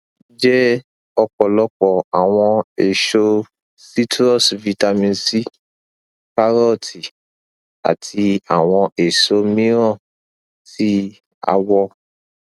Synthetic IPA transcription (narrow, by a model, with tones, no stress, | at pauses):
d͡ʒɛ˦ | ɔ˧kɔ˨lɔ˧˦kɔ˨a˨w̃ɔ̃˧e˨ʃo˧ | si˦tɾɔ˦˨svi˧ta˧mĩ˧nsi˦ | ka˦ɾɔ˦˨ti˨ | a̰˨tʰi˧a˦˨w̃ɔ̃˧ʔe˨ʃo˧˦mĩ˦ɾɔ̃˦˨ | si˦ | a̰˧wɔ˧